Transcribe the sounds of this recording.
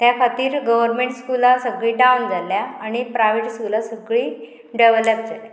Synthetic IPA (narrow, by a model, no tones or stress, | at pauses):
t̪jafat̪iːɾɡəʋəɾmeɳʈskulasəɡɭiːɖaund͡zaljaːñipɾaʋeʈskulasəɡɭiː | ɖəʋləp̚d͡zale